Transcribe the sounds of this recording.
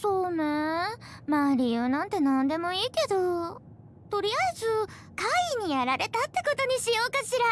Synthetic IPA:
so̞ːnemaːɾʲijɯ̟ːnãnt̪e̞nãnd̪e̞mo̞iːke̞d̪o̞ | t̪o̞ɾʲiaizɨ | kaiɲ̟ijaɾaɾe̞t̪at̪ːe̞ko̞t̪o̞ɲ̟iɕijo̞ːkaɕiɾa

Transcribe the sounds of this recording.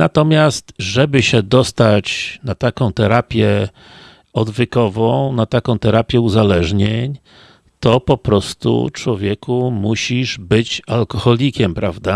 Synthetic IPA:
nat̪ɔmʲjast̪ʐɛbɘɕɛd̪ɔst̪at͡ɕnat̪akɔ̃w̃t̪ɛɾapʲjɛ | ɔd̪vɘkɔvɔ̃w̃nat̪akɔ̃w̃t̪ɛɾapʲjɛuzalɛʐɲeɲ | t̪ɔpɔpɾɔst̪ṵt͡ʂwɔvʲjɛkʰumuɕiʐbɘt͡ɕalkɔxɔlʲikʲɛmpɾavd̪a

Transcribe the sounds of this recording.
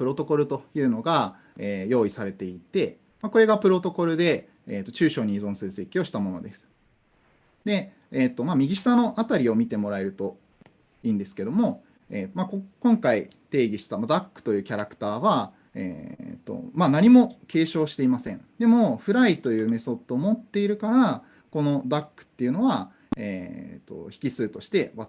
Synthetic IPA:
pɯ̟ɾo̞t̪o̞ko̞ɾɯ̟t̪o̞jɯ̟ːno̞ɡa | eːjo̞ːisaɾe̞t̪e̞it̪e̞ | mako̞ɾe̞ɡapɯ̟ɾo̞t̪o̞ko̞ɾɯ̟d̪e̞ː | t̪ːo̞t͡ɕɨːɕo̞ːɲ̟izõ̞ɰ̃sɨɾɯse̞kʲio̞ɕi̥t̪amo̞no̞̰d̪e̞sɨ̥ | d̪e̞ː | t̪ːo̞mamʲiɡʲiɕi̥sano̞ʔat̪aɾʲio̞mʲit̪e̞mo̞ɾae̞ɾɯ̟t̪o̞ | ĩːnd̪e̞sɨ̥ke̞d̪o̞mo̞ | eːmakokõ̞ŋkait̪e̞ːɡʲiɕi̥t̪amad̪akːɯ̟̥t̪o̞jɯ̟ːkʲaɾakɯ̟̥t̪aːβa | ḛːt̪ːo̰manaɲ̟imo̞ke̞ːɕo̞ːɕi̥t̪e̞imasẽ̞ɴd̪e̞mo̞ɸɯ̟ɾait̪o̞jɯ̟ːme̞so̞t̪ːoːmo̞t̪ːe̞iɾɯ̟kaɾa | ko̞no̞d̪akːɯ̟̥t̪ːe̞jɯ̟no̞βa | eːt̪ːo̞̰çʲi̥kʲisɨːt̪o̞ɕi̥t̪e̞βa

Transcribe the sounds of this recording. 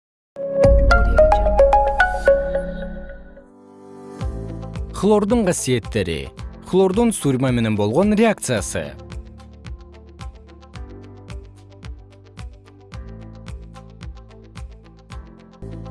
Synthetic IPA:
flˠo̞ɾd̪əɴqʰɑsije̞t̪ːeɾɪ̰flˠoɾd̪onst̪uɾʲmamenenbo̞lˠʁonɾʲe̞ak̚t̪sɨjasə̰

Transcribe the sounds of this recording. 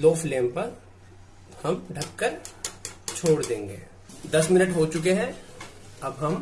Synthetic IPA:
loːflẽːmpɐɾ | hɐmɖʱɐkːəɾ | t͡ʃʰoːɽd̪ẽːŋɡeː | d̪ɐsmɪnəʈɦoːt͡ʃʊk̬eɦɛ | ɐbɦɐm

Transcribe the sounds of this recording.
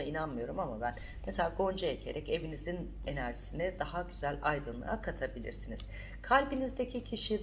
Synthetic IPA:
ainanmɯjo̞ɾumamabæn | meselʲaːɡo̞nd͡ʒaecʰe̞ɾʔɛce̞vinizin | e̞næɾʒi̥sinɛd̪aɦaɟyzælʲajd̪ɯnlˠa̰akʰat̪ʰabilʲḭɾsiniz̥ | kʰalʲbinizd̪ecʰicʰiʃi

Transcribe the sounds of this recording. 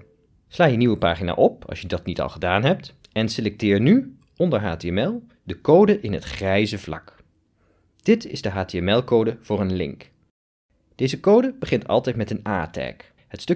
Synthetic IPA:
slaːjəniwəpaːχina̰ːʔɔp̚ɑ̰sjədɑtnitɑ̰lˠχədaːnɦɛp̚t | ɛnselɛk̚tɪːɹny | ɔndəɹɦaːteɛmɛlˠ | dəkowdəʔɪnɦətχrɛjzəvlɑ̰k | d̥ɪtɪ̰zdəɦaːteɛmɛlˠkowdəv̥ʊːɹənlɪ̰ŋk | d̥ejzəkowdəbəχɪntɑ̰lˠtɛjtmɛtənaːtɛ̰ːk | ɦətstɵ

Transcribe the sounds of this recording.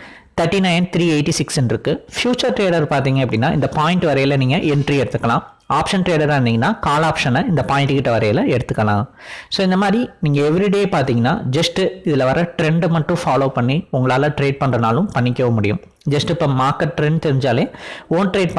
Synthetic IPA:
t̪ʰɐɾʈːinɐɪnt̪ɾiːeɪʈːisɪksɛnɪɾɯkːɯfjuːt͡ʃɐɾʈɾeːɽɐɾpaːɾt̪iːŋɡɐpːɐɽɪnːaːɪ̰nd̪ɐpaːjɪɳʈɯʋɐɾɐjɪlɐniːŋɡɐʔɛɳʈɾiɛɽɯt̪ːɯkːɐlãː | aːpʂɐnʈɾeːɽɐɾɾndiŋɡɐnːaːkaːlaːpʂɐnɐɪnd̪ɐpaːɪ̃ɳʈɯkɪʈːɐʋɐɾɐjɪlɐɛɽɯt̪ːɯkːɐlã̰ː | soːɪnd̪ɐmaːd̪ɾiniːŋɡɐɛʋɪɾiɽeːjeːpaːɾt̪iːŋɡɐnːa̰ːd͡ʒɐsʈɯɪðɪlɐʋɐɾɐʈɾɛɳɖmɐʈːʊ̃faːloːpɐɳːiʊŋɡɐɭaːlɐʈɾeːɖ̚pɐɳrɐnaːlɯ̃mpɐɳːɪkʲːɐʋɐmʊɽɪjɯ̰̃m | d͡ʒɐsʈɪpːoːmaːɾkɐʈ̚ʈɾɛɳɖt̪ɛɾɪɲd͡ʒaːleːoːnʈɾeːɖ̚p

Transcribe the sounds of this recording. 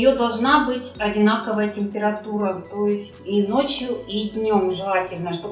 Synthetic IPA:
jod̪ɐlˠʐnabɨtʲɐdʲɪnakəvəjətʲɪmʲpʲɪɾɐt̪uɾət̪o̞jɪsʲtʲinot͡ɕjʊidʲnʲomʐɨlˠatʲɪlʲnəʂt̪o

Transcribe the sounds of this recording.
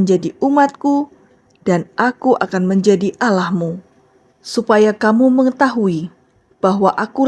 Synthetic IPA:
əɲd͡ʒadiumat̪̚ku | d̥anʔakuʔakanməɲd͡ʒadiʔalahmu | supajakamuməŋət̪aɦui | b̥aɦwaʔaku

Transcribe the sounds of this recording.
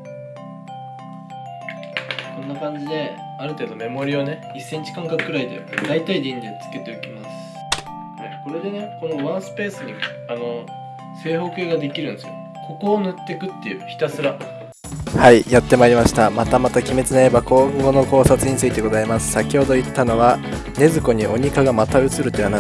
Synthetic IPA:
kõ̞nːakãɲ̟d͡ʑid̪e̞ | aɾɯ̟t̪e̞ːd̪o̞me̞mo̞ɾʲiβone̞ | isːe̞ɲ̟t͡ɕi̥kãŋkakɯ̥kɯɾaid̪e̞̰d̪ait̪aid̪ẽɲid̪et͡sɨ̥ke̞t̪e̞okʲimasɨ̥ | hajko̞ɾe̞d̪e̞ne̞ko̞no̞βãɰ̃sɨ̥pe̞ːsɨɲ̟i | ano̞ | se̞ːho̞ːke̞ːɡad̪e̞kʲiɾɯ̟nd̪esɨjo | kʰo̞ko̞ːnɯ̟t̪ːe̞kɯ̟t̪ːe̞jɯ̟çi̥t̪asɨɾa | haijat̪ːe̞maiɾʲimaɕi̥t̪amat̪amat̪akʲime̞t͡sɨnaebakõŋɡo̞no̞ko̞ːsat͡sɨɲit͡sɨit̪e̞ɡo̞zaimasɨ̥sakʲiho̞d̪o̞it̪ːano̞βa | ne̞zɨko̞ɲ̟iʔo̞ɲ̟ikaɡamat̪aɯ̟t͡sɨɾɯ̟t̪ːoiana

